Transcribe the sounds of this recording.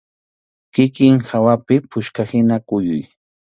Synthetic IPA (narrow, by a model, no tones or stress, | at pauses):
kɪkɪŋxawapɪpʊʃkahɪnakʊjʊ̰j